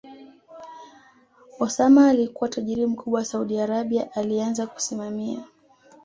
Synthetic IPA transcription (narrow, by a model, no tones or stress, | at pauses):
ɔsamaːlikuwataʄiɾim̩kʰuɓwawasauɗiaɾaɓiaʔalianzaku̥simamia